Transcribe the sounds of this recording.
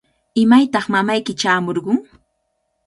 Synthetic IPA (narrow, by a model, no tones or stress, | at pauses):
ɪmajt̪ɑχmamajkɪt͡ʃaːmoɾɢʊŋ